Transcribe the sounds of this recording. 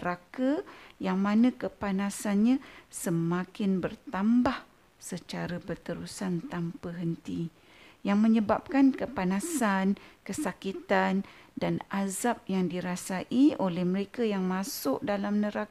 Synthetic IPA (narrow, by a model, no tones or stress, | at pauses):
əɾakajaŋmanə̃kəpanasanɲãsəmakɪnbərt̪ambah | sət͡ʃaɾabərt̪əɾusant̪ampəɦənt̪i | jaŋməɲəbap̚kankəpanasankəsakit̪andanazap̚jaŋdiɾasaʔiolɛhməɾekajaŋmasʊʔdalamnəɾak